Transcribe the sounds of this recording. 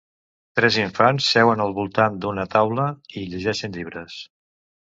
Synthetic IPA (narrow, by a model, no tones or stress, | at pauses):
t̪ɾɛziɱfansːɛwənəlˠβulˠt̪and̪unət̪awləiʎəʒɛʃənʎiβɾəs